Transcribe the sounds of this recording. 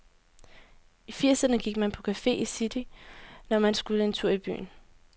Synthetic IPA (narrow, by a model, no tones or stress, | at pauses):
ifiɐsɐnəɡ̥iɡ̥̚mænpʰɒ̽kʰæfe̝̰ːisid̥inɒmænsɡ̥uləe̝nt͡sʰuɐ̰ib̥y̰ːn̩